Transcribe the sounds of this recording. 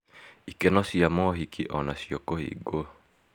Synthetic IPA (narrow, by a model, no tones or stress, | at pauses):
ikɛnɔsiamɔɦikʰiʔɔnasiokohḭɡo